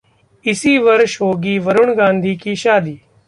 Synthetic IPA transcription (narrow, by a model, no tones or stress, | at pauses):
ɪsiːʋəɾʃɦoːɡiːʋəɾʊɳɡãːnd̪ʱiːkiːʃaːd̪iː